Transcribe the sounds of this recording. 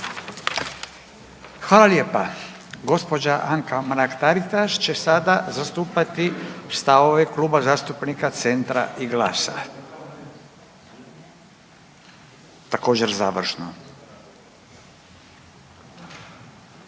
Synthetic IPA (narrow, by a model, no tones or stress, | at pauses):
xʋaːlaljepa | ɡo̞spo̞d͡ʑaʔaŋkamɾakt̪aɾit̪aʃt͡ɕe̞sad̪azast̪uːpat̪ist̪aʋo̞ʋekluːbazaːst̪upnikat̪se̞nt̪ɾa̰ʔiɡlaːsa̰ | t̪ako̞ːd͡ʑe̞ɾzaːʋr̩ʃno̰